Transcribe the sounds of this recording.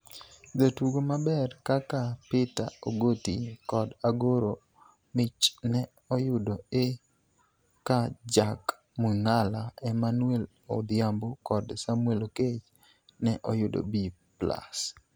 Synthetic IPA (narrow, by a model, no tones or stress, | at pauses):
dotwuɡomabɛrkakapɪta̰oɡotikɔdaɡoɾo | mɪt͡ʃnɛ | ɔjʊdoe | kad͡ʒak | muŋalaɛmanwɛl | o̰d̪ɪambokɔdsamweloket͡ʃ | nɛʔɔjʊdo̰bipla̰s